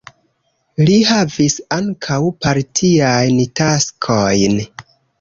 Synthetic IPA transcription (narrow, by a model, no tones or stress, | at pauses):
lihavisaŋkʰawpaɾtʰiajntaskʰojn